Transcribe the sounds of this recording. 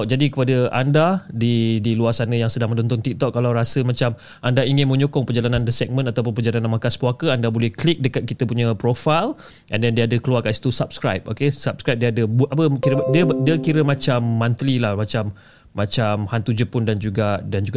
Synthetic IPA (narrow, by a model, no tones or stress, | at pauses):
ʔ̚d͡ʒadikəpadəʔa̰ndadidiluarsanəjaŋsədaŋməndɔnt̪ʊnt̪ik̚t̪ɔʔkːalawɾasəmat͡ʃam | ʔandaiŋɪnmə̃ɲɔkɔŋpərd͡ʒalanãndəsɛk̚mə̃nat̪awp̬ʊnpərd͡ʒalananmakaspuakəandabolɛhklik̚dəkat̪̚kit̪əpuɲãpɾofal | andandiəadəkəluarkansi̥t̪usap̚skɾa̰jp̚okesap̚skɾajp̚diadəbuʔapəkiɾədiədiəkiɾəmat͡ʃamːant̪ɾilahmat͡ʃamː | at͡ʃamhant̪ud͡ʒəpʊndand͡ʒuɡadand͡ʒuɡa